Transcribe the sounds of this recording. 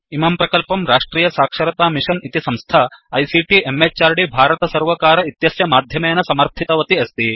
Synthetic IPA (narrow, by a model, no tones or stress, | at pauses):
imaːmpɾɐkɐlpɐmɾaːʂʈɾiːjɐsaːkʂɐɾɐt̪aːmiʂɐnit̪isɐmst̪ʰaɐjsiʈiemːet͡ʃaːɾɖibʱaːɾɐt̪ɐsɐɾʋɐkaːɾɐit̪jɐsjɐmaːd̪ʱjɐmeːnɐsɐmɐɾt̪ʰit̪ɐʋɐt̪iɐst̪i